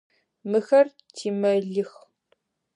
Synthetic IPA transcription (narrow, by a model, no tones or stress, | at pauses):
mɨxɐr | tʰiːmɐɮɨx